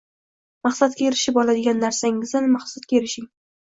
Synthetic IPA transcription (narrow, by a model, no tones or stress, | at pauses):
mɑχsat̪̚kʲaeɾɪʃɪpɒlad̪ɪɡʲanːaɾsaŋɪzanmaχsat̪̚kʲaeɾɪʃɪŋ